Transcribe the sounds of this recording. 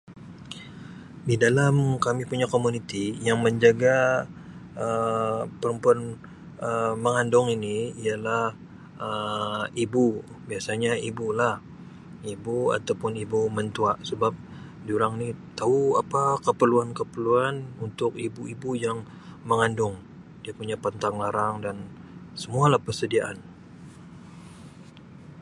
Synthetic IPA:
didalamkamipuɲakomunit̪ijaŋməɲd͡ʒaɡa | əpəɾəmpuan | əməŋandʊŋiniijalah | əibu | biasaɲaibulah | ibua̰t̪awpʊnibumənt̪uaʔsəbap̚ | d͡ʒiuɾaŋnit̪auapakəpərluankəpərluanunt̪ʊk̚ibuibujaŋ | məŋandʊŋ | diapuɲapant̪aŋlaɾaŋdansəmualahpərsədiaʔa̰n

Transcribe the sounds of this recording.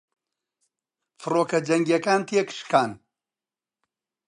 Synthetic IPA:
fɨroːkɐd͡ʒɐŋɡjɐkaːnt̪ʰeːkʃkʰaːn

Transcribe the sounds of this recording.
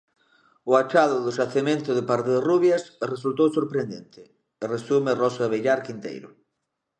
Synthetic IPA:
ʊat͡ʃaðʊðʊʃaθemẽnt̪ʊðɪpaɾt̪ɪðeruβjasresult̪owsoɾpɾend̪ent̪ɪ | resumɪrɔsaβeʎaɾkint̪ḛjɾʊ̰

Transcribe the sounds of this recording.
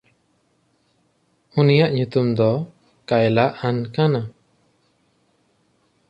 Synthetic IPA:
unijaʔɲut̪umd̪ɔ | kajlaʔankana

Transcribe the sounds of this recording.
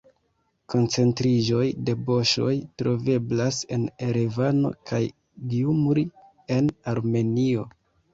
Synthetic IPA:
ko̞nt͡se̞ntɾiʒo̞jde̞bo̞ʃo̞jtɾo̞ve̞blase̞neɾevano̞̰kʰaj | ɡiumɾi | e̞naɾme̞nio̞

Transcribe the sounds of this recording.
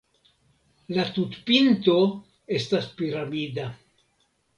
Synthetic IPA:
lat̪utpinto̞ | e̞staspiɾamida

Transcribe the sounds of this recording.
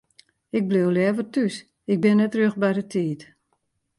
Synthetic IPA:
ɪk̚blewljɛːvərtys | ɪk̚bɪnːɛtrøxbɛjdətʰiːt

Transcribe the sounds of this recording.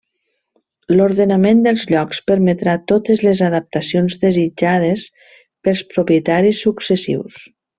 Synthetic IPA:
loɾðenamend̪əlˠzʎɔkspəɾmet̪ɾat̪ot̪əzlezaðəp̚t̪asijonzd̪əzid͡ʒað̞es | pəlˠspɾopjət̪aɾisːuksəsḭws

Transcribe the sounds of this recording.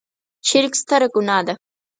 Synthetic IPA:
ʃɪɾkst̪ʰaɾakʊnaːd̪a

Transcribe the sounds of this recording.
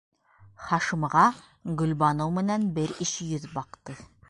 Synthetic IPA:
χɑʃɤ̆mʁɑ | ɡɵ̆lbɑnɤwmɘ̆nænbɘɾɘʃjɵðbɑqt̪ɤ

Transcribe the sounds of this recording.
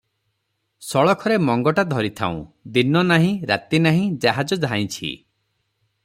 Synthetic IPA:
sɔɭɔkʰɔɾemɔŋɡɔʈad̪ʱɔɾit̪ʰa̰ũd̪inɔnaɦĩɾa̰t̪inaɦĩd͡ʒaɦad͡ʒɔd͡ʒʱaj̃t͡ʃʰḭ

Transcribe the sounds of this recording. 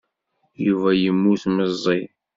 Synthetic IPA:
juvæjəmːuθməzˤːi

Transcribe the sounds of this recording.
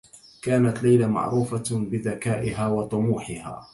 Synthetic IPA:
kaːnat̪lajlama̰ʕɾuːfabɪðakaːʔɪɦaːwɑt̪ˤʊmuːħɪha̰ː

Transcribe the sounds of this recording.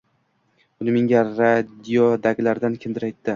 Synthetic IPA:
ʊlɪmɪŋʲaɾad̪ijod̪aɡʲlaɾd̪ankʲʰɪnd̪ɪɾajt̪ːɪ

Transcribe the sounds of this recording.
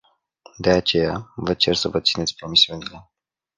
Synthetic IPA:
d̪e̞at͡ʃe̞javət͡ʃe̞rsəvət̪sinet̪sʲpɾo̞misiunile̞

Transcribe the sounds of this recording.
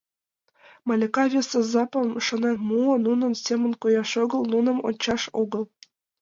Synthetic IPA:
mɑlʲekɑvʲesĕzɑpɤ̆mʂɤ̆nɑmuɤ̆nunɤ̆nsʲemʲɘ̆nkojɑʂŏɡɤ̆lˠnunɤ̆mo̰nʲt͡ɕɑʂoɡɤ̆lˠ

